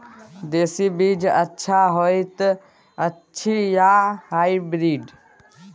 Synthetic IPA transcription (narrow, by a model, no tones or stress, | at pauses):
d̪eːsibiːd͡ʒə̰tːʃʰaɦojt̪ | ətːʃʰijahaːibɾiːɖ